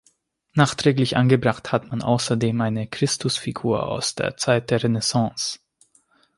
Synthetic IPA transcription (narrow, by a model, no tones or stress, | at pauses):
naːχtʁ̥ɛːklɪçʔa̰nɡəbʁaχthatmanʔa̰ʊsɐdeːmʔaɪnəkʁ̥ɪstʰʊsfiɡṵːɐa̰ʊsd̥ḛːɐt͡saɪt̚d̥eːɐʁenɛsɑ̃ːs